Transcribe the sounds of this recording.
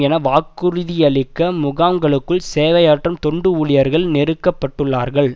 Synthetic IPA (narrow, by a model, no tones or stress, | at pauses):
ɛnɐʋaːkːɯɾɯðɪjɐɭɪkːɐmʊɣaːŋɡɐɭɯkːɯɭseːʋɐjaːʈrɐmt̪ɔɳɖɯuɭɪjɐɾɣɐɭnɛɾɯkːɐpːɐʈːɯɭːaːɾɣɐɭ